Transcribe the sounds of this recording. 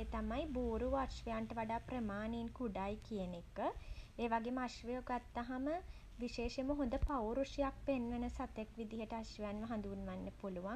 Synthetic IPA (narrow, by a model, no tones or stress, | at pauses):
eːt̪amajbuːɾuʋaʃʋejaɳʈəʋaɖaːprəmaːniːnkuɖajkijənekəeːʋaɡemaʃʋəjoɡat̪ːaɦamə | ʋiʃeːʃeməɦõnd̪əpawɾuʂijak̚penʋənəsat̪ekʋid̪iɦəʈəaʃʋejanʋɐɦãnd̪unʋanːəpuluʋa